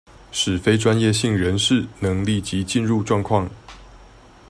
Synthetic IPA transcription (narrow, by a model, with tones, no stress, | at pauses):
ʂɻ̩˨˩fe˥ɪʈ͡ʂwa˦njɛ˥˧ɕi˥˩ŋɻə˧˦nʂɻ̩˥˩nɤ˧˥ŋli˥˩t͡ɕi˨˧˥t͡ɕi˥˧nɻu˥˧ʈ͡ʂwɑ˥˧ŋkʰwɑ˥˩ŋ